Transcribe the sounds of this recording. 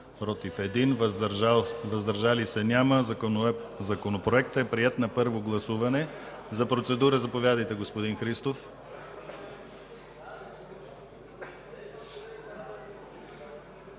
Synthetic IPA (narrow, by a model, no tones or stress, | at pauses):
pɾot̪ifɛd̪inv | vɐzd̪ɐɾʒalisɛnʲamə | zɐkonopɾoɛkt̪əɛpɾiɛt̪nɐpɤɾvoɡlˠɐsuvɐnɛ | zɐpɾot̪sɛd̪uɾəzɐpovʲjad̪əjt̪ɛɡospod̪inxɾist̪of